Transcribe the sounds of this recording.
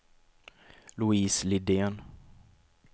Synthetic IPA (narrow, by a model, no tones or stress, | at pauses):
lʊiːslɪd̪eːn